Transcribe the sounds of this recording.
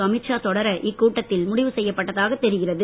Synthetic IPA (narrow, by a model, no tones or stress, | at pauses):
ɐmɪʈʂaːt̪ɔɽɐɾɐʔɪkːuːʈːɐt̪ːɪlmʊɽɪʋɯsɛjːɐpːɐʈːɐðaːɣɐt̪ːɛɾɯɣɪrɐðɯ